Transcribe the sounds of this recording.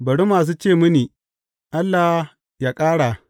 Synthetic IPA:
bɐ˨ɽu˦maː˨s̬uː˦t͡ʃeː˦˨mʊ˦niː˨ | ʔa˦lːa˨h | jaː˦kʼaː˦ɽa˨

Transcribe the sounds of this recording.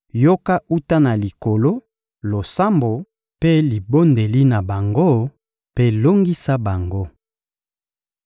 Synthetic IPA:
jo˦ka˦u˦ta˦na˨li˨ko˨lo˦ | lo˨sa˦mbo˨ | pe˦li˨bo˦nde˨li˦na˨ba˨ŋɡo˦ | pe˦lo˦ŋɡi˦sa˦ba˨ŋɡo˦

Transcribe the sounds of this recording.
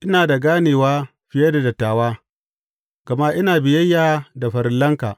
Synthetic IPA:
ʔɪ˦naː˨da˨ɡaː˦neː˨waː˦ | ɸɪ˨jɐ˦da˨dɐ˨tːaː˨waː˦ | kɐ˨ma˦ʔɪ˦naː˨bɪ˨jɐ˦jːaː˦da˨ɸɐ˨ɾɪ˦lːɐ˦ŋkaː˨

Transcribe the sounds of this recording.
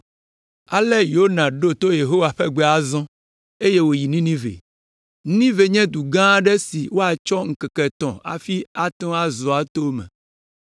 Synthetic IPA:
a˨lɛ˦jo˦nã˨ɖo˦t̪o˦je˨ɦo˦wa˨ɸɛ˦ɡ͡bɛ˦a˦zɔ̃˦ | e˦je˦wo˨ji˨nĩ˦nĩ˦vḛ˨ | n˦nĩ˦ve˨ɲɛ̃˦d̪u˨ɡã˦ɖɛ˦si˨wo˦a˨t͡ʃɔ˦ŋ̩˨kɛ˨kɛ˨t̪ɔ̰̃˨a̰˨fi˦a˦t̪ɔ̃˦a˦zɔ˨a˨t̪o˦mɛ̰̃˨

